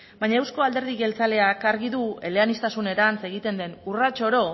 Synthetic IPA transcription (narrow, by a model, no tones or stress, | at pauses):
bajɲaewsko̞ald̪e̞ɾð̞iɣe̞lt͡sale̞akaɾɣiðue̞le̞anist̪asune̞ɾant͡se̞ɣ̞it̪e̞nd̪e̞nurat͡ʃo̞ɾo̞